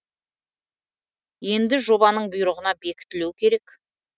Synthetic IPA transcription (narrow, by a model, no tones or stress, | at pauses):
je̞nd̪ɪʒo̞bɑnəɴbʊjɾəʁənɑbe̞kʲɪ̥t̪ɪlewkʲʰe̞ɾe̞k